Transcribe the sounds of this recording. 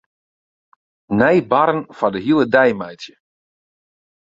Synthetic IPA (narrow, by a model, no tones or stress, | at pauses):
nɛjbaɾənfadəɦilˠədɛjmɛjtjə